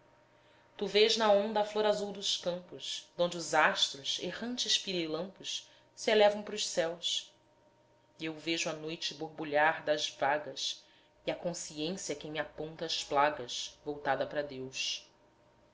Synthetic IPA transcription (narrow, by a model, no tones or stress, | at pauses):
t̪uveʒnɐõnd̪ɐfloɾazuwd̪ʊʃkɐ̃mpʊsd̪õnd͡ʒɪuzaʃt̪ɾʊʃḛhɐ̃nt͡ʃɪʃpiɾilɐ̃mpʊʃ | sɪelɛvɐ̃w̃pɾʊʃsɛws | ewveʒʊɐnojt͡ʃɪboɦbuʎaɾd̪ɐzvaɡɐs | iɐkõsiẽsiɐkẽj̃mɪapõnt̪ɐːʃplaɡɐʃvowt̪ad̪ɐpɾɐd̪ewʃ